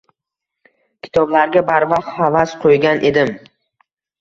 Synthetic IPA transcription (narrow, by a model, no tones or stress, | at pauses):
kʲʰɪ̥t̪ʰɒblaɾɡʲabaɾvɑq̚t̪avasqʰojɡʲanʔe̞d̪ɪm